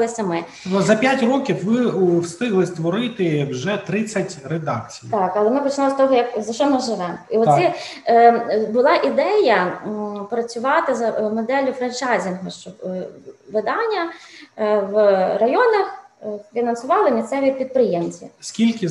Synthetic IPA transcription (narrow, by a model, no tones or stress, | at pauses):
lˠɪsʲɐmɪ | ɔzɐpʲjatʲrɔkʲifʋɪwst̪ɪɦlˠɪst̪ʋɔɾɪt̪ɪwʒɛt̪ɾɪt͡sʲːɐtʲred̪ɑ̰k̚t͡sʲijt̪ɑkɐlˠɛmɪpɔt͡ʃɪnɔlˠst̪ɔɦɔjɐkzɐʃt͡ʃɔmɪʒɪʋɛmiɔt̪ʲɛ | bʊlˠɑʔid̪ɛjɐpɾɐt͡sʲʊʋɑt̪ɪzɐmɔd̪ɛlʲʊfɾɐnt͡ʃɑjzʲɪnɦɔʃt͡ʃɔ | ʋɪd̪ɑnʲːɐ | ʋrɐjɔnɐxfʲinɐnsʊʋɑlˠɪmʲist̪sɛʋʲipʲid̪̚pɾɪjemt͡sʲḭskʲilʲkɪ